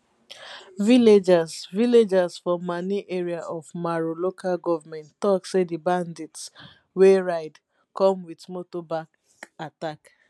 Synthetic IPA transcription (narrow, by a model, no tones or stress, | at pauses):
viled͡ʒazviled͡ʒazfɔmːaniʔeɾiaʔɔvmaɾolokʰalɡɔvamɛ̃ntːɔksedibandits | weɹaɪd | kɔmwitmotobak | atak